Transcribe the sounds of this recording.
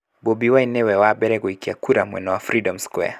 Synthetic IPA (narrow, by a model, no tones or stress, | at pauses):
bɔbiwainɛwɛwaɓɛɾɛkuikiakuɾamwɛ̰nɔwafɾidɔmskwɛ̰a